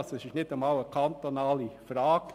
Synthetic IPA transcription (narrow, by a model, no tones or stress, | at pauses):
səsɪʃnɪdəmɑwəkʰɑnt̪onɑːlifɾɑːk